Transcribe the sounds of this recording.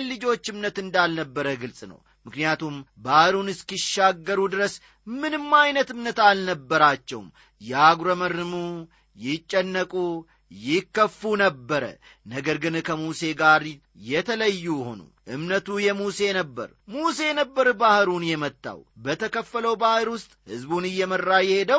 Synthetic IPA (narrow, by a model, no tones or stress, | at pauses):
lɨd͡ʒo̞t͡ʃːɨmnət̪ɨnd̪alnəbːəɾəɡɨlsʼnə̰w | mɨknijat̪ʰumbahɾunɨskiʃːaɡːəɾud̪ɨɾəs | mɨnɨmːajnət̪ɨmnət̪alnəbːəɾat͡ʃːɛ̰wm | jɛaɡɾəmərːɨmu | jɪt͡ʃʼːɛnːəkʼu | jɪkːəfːunəbːəɾə̰nəɡəɾɡɨnkʰəmuse̞ɡaɾ | jɛt̪ʰələjːujho̞̰nṵʔɨmnət̪ujɛmuse̞nəbːə̰ɾmuse̞nəbːəɾbahɨɾunjɛmət̪ːa̰wbət̪ʰəkəfːələwbahɨɾwʊst̪ʼhɨzbunɨjːɛmərːajɛhe̞d̪əw